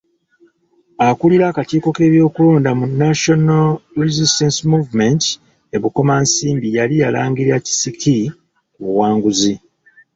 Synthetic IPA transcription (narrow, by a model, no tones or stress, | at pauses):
akuliɾakatiːko̞ke̞ːβjo̞ːkuloːndamunːaʃo̞nalɾizistensimuːvument | e̞βuko̞maːnsiːmbijalijala̰ːŋɡiɾaci̥sikʰi | kuwaːŋɡuzi